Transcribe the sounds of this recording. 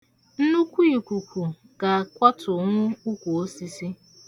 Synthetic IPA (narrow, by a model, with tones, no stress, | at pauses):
n̩˦nu˦kʷu˦i˨kʷu˨kʷu˨ | ka˨kʷa˦tʰʊ˨ŋʷʊ˦u˦kʷu˨o˦si˦si˦